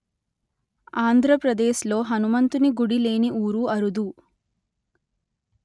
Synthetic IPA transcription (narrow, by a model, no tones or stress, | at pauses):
aːnd̪ʱɾɐpɾɐd̪eːʃlo̞ːɦɐnumɐnt̪uniɡuɽile̞ːniʔuːɾuɐɾud̪u